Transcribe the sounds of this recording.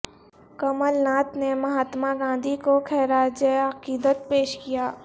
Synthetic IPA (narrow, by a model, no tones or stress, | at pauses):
kɐməlnaːt̪nemɐɦaːt̪maɡãːnd̪ʱikokʰɛːɾaːd͡ʒəɐqiːd̪ət̪̚peːʃkijaː